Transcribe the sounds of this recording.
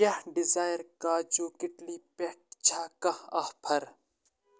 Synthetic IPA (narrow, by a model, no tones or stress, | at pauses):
jɐhɖɪzaːjɾkaːd͡ʒuːkɪʈliːpeʈ̚t͡ʃʰaːkɐhɐhpʰɐɾ